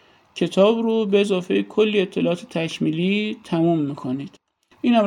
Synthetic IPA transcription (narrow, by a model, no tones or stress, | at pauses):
cʰe̞t̪ʰɒːbrubeezɒːfe̞jekʰolːiːet̪ʰːe̞lɒɒːt̪ʰe̥t̪ʰækʰmiːlit̪ʰæmumːiːkʰo̞niːd̪̥ | ʔiːnhæm